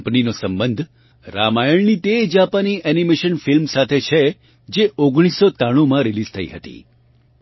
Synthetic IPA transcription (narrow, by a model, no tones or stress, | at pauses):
pninosəmbənd̪ʱ | ɾamajəɭnit̪ed͡ʒapaniʔɛnimeʃənfilmsat̪ʰet͡ʃʰe | d͡ʒeoɡɽ̃isot̪aɽ̃ũmãɾilizt̪ʰəḭɦə̰t̪ḭ